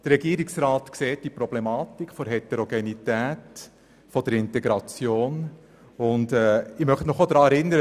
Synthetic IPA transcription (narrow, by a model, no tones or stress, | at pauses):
d̥əɾɛɡiːɾiksɾɑːtkseːt̚d̥ipɾɔblemɑːtikʰːfɔɾɦɛtɛɾoɡenitæːt | fɔd̥əɾɪnteɡɾɑt͡sjoːn | ʊndɛːɪmœχtnɔχod̥ɾɑːɛɾɪnːəɾə